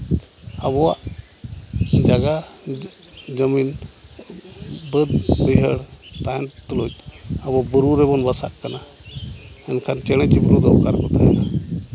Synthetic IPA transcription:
aβɔwa̰ʔ | d͡ʒaɡa | d͡ʒəmin | bəd̪bəjɦəɽt̪aɦɛnt̪lot͡ʃəbɔbəɾuɾɛbɔnbasa̰ʔkana | ɛnkʰant͡ʃɛɽ̃ɛt͡ʃɛbiɾud̪ɔkaɾkɔt̪aɛna

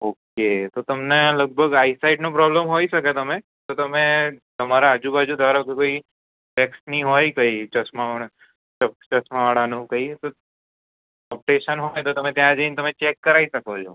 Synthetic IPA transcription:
oːket̪ot̪əmneləɡ̚bʱəɡaːisaɪɖnopɾɔbləmɦoiʃəket̪əmẽ | t̪ot̪əmẽt̪əmaɾaːd͡ʒubad͡ʒud̪ʱaɾakekoi | ʈɛksnĩɦojkəit͡ʃəsmaɽ | t͡ʃət͡ʃəsmaʋaɽanũkəit̪o | ɔp̚ʈeʃənɦojt̪ot̪əmẽt̪jãd͡ʒəint̪əmẽt͡ʃekːəɾaisəkod͡ʒo

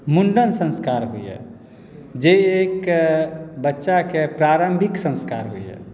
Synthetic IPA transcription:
muɳɖənsə̃nskaːɾɦṵḭɦɛ̰ | d͡ʒeiek | bətːʃakepɾaɾəmbʱɪksə̃nska̰ːɾɦṵḭɦɛ̰

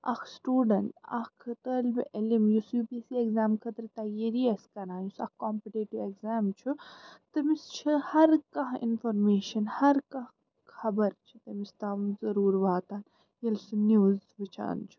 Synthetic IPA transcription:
ɐ̰kʰsʈuːɖɐɳʈɐ̰kʰt̪əːlbiʔɐlimjusubiːsieɡzaːmkʰɐt̪ɾit̪ɐːjeɾiɐskɐɾãːjusɐ̰kkɔːmpiʈeːʈiʋeɡzaːmt͡ʃʰut̪ɐmist͡ʃʰihɐɾkɐɦḭnfoɾmeːʃɐnhɐɾkɐɦ | xɐbɐɾt͡ʃʰi̥t̪ɐmist̪aːʋzɐɾuːɾʋaːt̪aːn | jɐlsɨnjuːzʋɨt͡ʃʰa̰ːnt͡ʃʰu̥

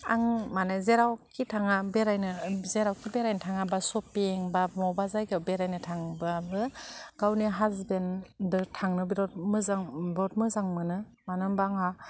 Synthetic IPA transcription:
a̰ŋmanɯzeɾawkʰitʰaŋabeɾajnɯzeɾawkʰibeɾajntʰaŋabasɔpiŋbamɔwbazajkewbeɾajnɯtʰaŋbabɯɡ̥awniɦazbendɯtʰaŋnɯbiɾɔtmɯzaŋbɾɔt̚mɯzaŋmɯnɯ | manɯmbaŋa

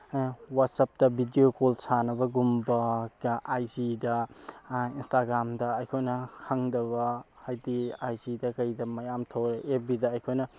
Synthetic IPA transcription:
wat̚sɐp̚dɐbʱidiokolsanɐbɐɡumbɐʔajd͡ʒidɐ | instaɡɾamdɐːjkʰojnɐkʰɐŋdɐβɐ | ajdiajd͡ʒidɐkɐjdɐmɐjamtʰɐwɾeʔebidɐːjkʰojnɐ

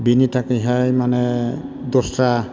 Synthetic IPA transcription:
binitʰakiɦajmanɛd̪ɔstɾa

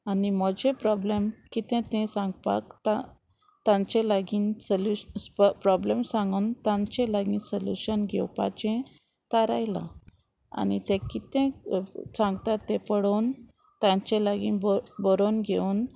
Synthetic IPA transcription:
animɔd͡ʑẽpɾɔblemkit̪ɛ̃t̪ɛ̃sãŋɡpa̰kt̪a | t̪ãɲt͡ɕɛ̃laɡiːnsəlupɾɔblemsãŋɡənt̪ãɲt͡ɕẽlaɡinsəljṵɕənɡʱɛwpa̰t͡ɕẽ | t̪aɾa̰jla̰ | a̰nit̪ẽkit̪ẽsãŋɡt̪at̪ːẽpəɽon | t̪ãɲt͡ɕɛ̃laɡinbbɔɾonɡʱeun

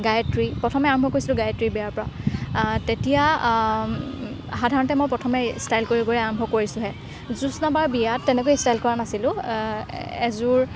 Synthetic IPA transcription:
ɡajtɹipɹɔtʰɔmɛaɹɔmbʱɔkoɹisilʊ̃ɡajtɹibɛjaɹpɔɹa | tetija | xadʱaɹɔntɛmojpɹɔtʰɔmɛstajlkoɹiɡoɹɛaɹɔmbʱɔkoɹisʊ̃ɦɛ | zusnabaɹbijatːɛnɛkojistajlkɔɹanasilʊ̃ | ɛzuɹ

